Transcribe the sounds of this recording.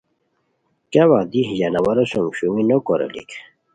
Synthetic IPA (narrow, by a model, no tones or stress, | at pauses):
kawad̪ihjanawaɾosomɕuŋinokoɾo̰lḭk